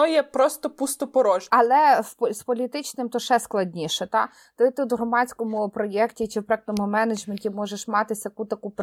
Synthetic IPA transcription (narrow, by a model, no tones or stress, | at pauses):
ɔjɛpɾɔst̪ɔpust̪ɔpɔɾɔʒɐlˠɛwspɔlʲit̪ɪt͡ʃnɪmt̪ɔʃɛsklˠɐdʲnʲiʃɛt̪ɑ | t̪ɪt̪ɪw̪ɦɾɔmɑt͡sʲkɔmʊpɾɔjɛktʲit͡ʃɪwpɾɛk̚nɔmʊmɛnɐd͡ʒmenʲtʲimɔʒeʃmɑt̪ɪsʲjɐkut̪ɐkup